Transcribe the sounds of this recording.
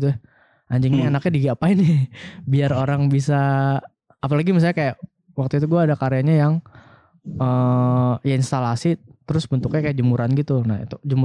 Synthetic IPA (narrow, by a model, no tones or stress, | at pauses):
t̪u | aɲd͡ʒɪŋɲaenakɲadiɡapaɪnɪbiaroɾaŋbisaː | palaɡimis̬alɲakajaʔ | wak̚t̪uit̪̬uɡuaːdakaɾejaɲajaŋ | ə | jainst̪alasit̪əɾʊsbənt̪ʊkɲakajad͡ʒumuɾanɡit̪unaḭt̪ud͡ʒumu